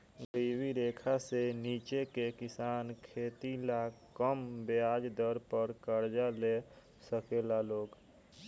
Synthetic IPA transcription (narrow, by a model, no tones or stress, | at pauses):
ɡiwiɾeːkʰaseniːt͡ʃekekɪsaːnkʰeːt̪ilakəmbɪaːd͡ʒd̪əɾpəɾkəɾd͡ʒale | səkeːlaloːɡ